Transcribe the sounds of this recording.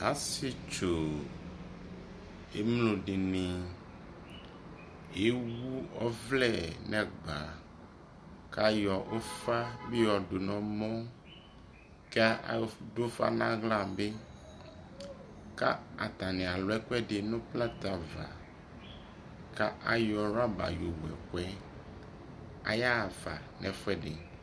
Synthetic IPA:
a˨˦si˦t͡ʃo˨ | e˦mlo˨ɖe˨nẽ˨ | e˦wu˦ɔ˦vlɛ˦˨nɛ̃˨ɡ͡ba˨ | ka˦jɔ˨ʔo˦fa˦be˦jɔ˨do˨nɔ̃˨mɔ̃˦ | ka˦a̰˨do˦fa̰˦nã˦ɣlã˦˨be˦ | ka̰˦a̰˨t̪a˨nɛ̃˨a˨lo˨ɛ˦kwɛ˦ɖe˨nõ˦pla˦t̪a˨va̰˨ | ka˦ʔa˨jɔ˨ɾa˦ba̰˨jo˨wɛ̰˨ko˦ɛ˦ | a̰˨ja˦˨va̰˨nɛ̃˨fɛ˦ɖe˨

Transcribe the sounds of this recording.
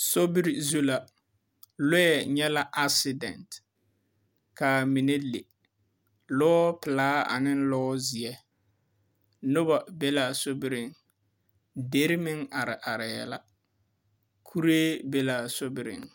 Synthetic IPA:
so˦bɪ˦ɾi˨zu˦la˨ | lʊ˦ɛ˨ɲɛ˦la˦ʔa˦sɪ˦dɛ̰˨nt | kaː˨mi˨ne˦le˨ | lɔː˦pɪ˨laː˦a̰˨nɪ˦n˦lɔː˦zɪ˨ɛ˦ | nʊ˦ba˨be˦laː˨so˦bɪ˦ɾɪ˦ŋ | de˦ɾɪ˦mɪ˦ŋa˨ɾɪ˨ʔa˨ɾɪ˨jɛ̰˦la˦ | kʰu˦ɾeː˦be˦la˨so˦bɪ˦ɾɪ̰˨ŋ

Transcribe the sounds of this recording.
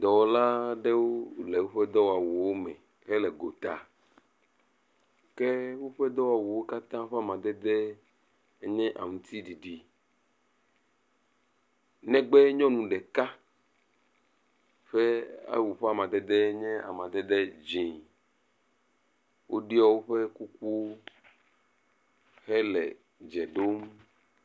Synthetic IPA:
d̪ɔ˨wɔ˦la˦ɖe˦wo˦le˨wo˦ɸɛ˦d̪ɔ˦wa˨wu˨wo˦mɛ̰̃˨ | kɛ˦lɛ˨ɡo˨t̪a̰˨ | ke˦wo˦ɸɛ˦d̪ɔ˦wa˨wu˨wo˦ka˦t̪ã˦ɸa˦mã˨d̪ɛ˦d̪ɛ˦ | ɲɛ̃˦ʔa̰˨ŋũ˨t̪i˦ɖi˨ɖi˨ | nɛ̃˦ɡ͡be˦ɲɔ̃˦nũ˨ɖɛ˨ka˦ | ɸe˦a̰˦wu˨ɸe˦a˨mã˨d̪ɛ˨d̪e˦ɲɛ̃˦a̰˨mã˨d̪ɛ˦d̪e˦d͡ʒĩ˨ | wʔo̰˦ɖi˦ɔ˦wo˦ɸe˦ku˦ku˦ | hɛ˦lɛ̰˨ | d͡ʒɛ˨ɖo˦m

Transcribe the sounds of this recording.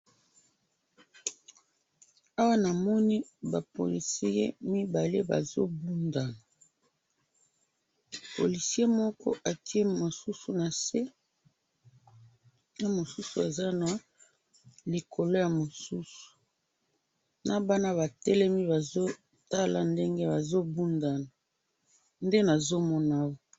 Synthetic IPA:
a˦wa˦na˨mɔ˦ni˦ba˨po̰˨li˨si˦jḛ˦mi˦ba˨le˦ba̰˨zo˦bu˦nda˨na˨ | po̰˨li˨si˦e˦mɔ˦kɔ̰˦ʔa˨ti˦e˦mo˨su˦su˨na˨se˦ | o˦mo˨su˦su˨a˨za˦na˨ | li˨kʰo˨lo˦ja˨mo˨su˦su̥˨ | na˨ba˦na˦βa˨tɛ˦lɛ˦mi˦ba˨zo˦ | ta˦la˨nde˦ŋɡe˦ba˨zo˦bu˦nda˨na˨ | nde˦na˨zo˦mɔ˦na˦wo˦

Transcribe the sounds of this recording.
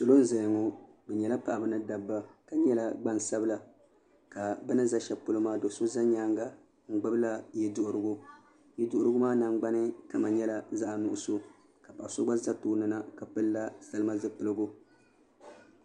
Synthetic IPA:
so˨lo˦n˦za˨jŋo˦ | bɛ˨ɲɛ˨la˦pa˨ʔa˨bɨ˦nɨ˦da˨bːa˦ka˨ɲɛ˦la˦ɡ͡ba˦n˨sa˦bɨ˦la˨ | ka˨bɛ˦nɨ˦za˦ʃɛ˦pʊ˦lɨ˦maː˦do˨so˦za˦ɲaː˦ŋɡa˦ | ŋ̩˨ɡ͡bɨ˦bɨ˦la˦jɛ˦dʊ˦ʔʊ˦ɾɨ˦ɡʊ˦ | jɛ˦dʊ˦ʔʊ˦ɾɨ˦ɡʊ˦maː˦na˨ŋ͡mɡ͡ba˦nɨ˦ka˦ma˨ɲɛ˦la˦za˦ʔa˨nʊ˨ʔʊ˦so˦ | ka˨pa˨sʊ˦ɡ͡ba˦za˦toː˨˦nɨ˦na˦ka˨pɨ˦lːa˦sa˨˦lɨ˦ma˦zɨ˦pɨ˨lɨ˦ɡʊ˦

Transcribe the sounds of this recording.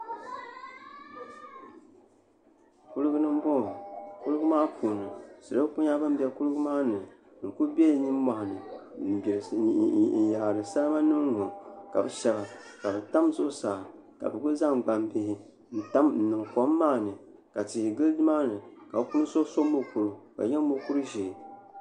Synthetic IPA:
ku˦lɨ˦ɡɨ˦nɨ˦m˦bɔ˦˨ku˦lɨ˦ɡɨ˦maː˦pʰuː˨nɨ˨sɨ˨ɾɨ˦ku˦ɲa˦bɨ˦m̩˦bɛ˦ku˦lɨ˦ɡɨ˦maː˦nɨ˨ | ŋ̩˨ku˦bʲɛ˦˨ɲi˦m˦ma˨hnɨ˨ | ɾn̩˨ja˨ɾɨ˨sa˦lma˦nɨ˦m˦ŋo˨ka˨bɨ˨ʃɛ˦la˨ | ka˨bɨ˨ta˦m˦so˦saː˨ | ka̰˨bɨ˨ku˦za˦ŋɡ͡ba˨mbɪ˦hɪ˦ | n̩˦ta˦mn̩˨nɨ˨ŋkɔ˨˦mː˦aː˦˨nɨ˨ | ka˨ti˨hi˨ɡɨ˦ldɨ˦maː˦nɨ˨ka˨bku˦n˦so˦so˦mo˦ku˨ɾɨ˨ka̰˨ɲɛ˦mo˦ku˦ɾɨ˦ʒe˨

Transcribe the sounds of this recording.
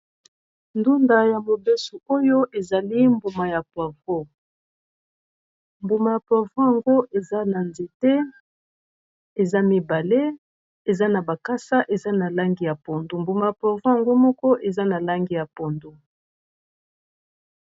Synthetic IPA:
ndu˦nda˨ja˨mo˨be˦su˨o˦jo˦ʔe˨za˨li˦mbu˨ma˨ja˨pwa˨vo˦ | mbu˨ma˨ja˨pwa˨vo˦ja˨ŋɡo˦ʔe˨za˦na˨nze˨te˦ | e˨za˦mi˨ba˨le˦ | e˨za˦na˨ba˨ka˦sa˦ʔe˨za˦na˨la˦ŋɡi˨ja˨po˨ndu˨mbu˨ma˨ja˨pwa˨vo˦ja˨ŋɡo˦mɔ˦kɔ˦ʔe˨za˦na˨la˦ŋɡi˨ja˨po˨ndu˦

